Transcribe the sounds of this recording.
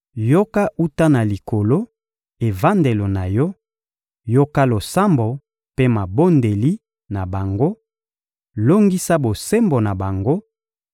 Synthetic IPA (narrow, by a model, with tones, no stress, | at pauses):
jo˦ka˦ʔu˦ta˦na˨li˨ko˨lo˦ | e˨va˦nde˨lo˨na˨jɔ˦ | jo˦ka˦lo˨sa˦mbo˨ | pe˦ma˨bo˦nde˨li˦ | na˨ba˨ŋɡo˦ | lo˦ŋɡi˦sa˦bo˨se˦mbo˨na˨ba˨ŋɡo˦